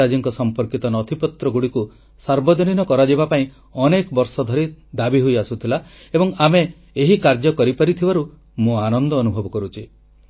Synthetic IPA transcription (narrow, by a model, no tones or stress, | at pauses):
ad͡ʒiŋkɔsɔmpɔɾkit̪ɔnɔt̪ʰipɔt̪ɾɔɡuɽiku | saɾbɔd͡ʒɔninɔkɔɾad͡ʒibapaĩ | ɔnekɔbɔɾsɔd̪ʱɔɾid̪abiɦojasut̪ʰila | ebɔŋame | eɦikaɾd͡ʒɔkɔɾipaɾit̪ʰibaɾu | mũanɔnd̪ɔːnubʱɔbɔkɔɾut͡ʃʰi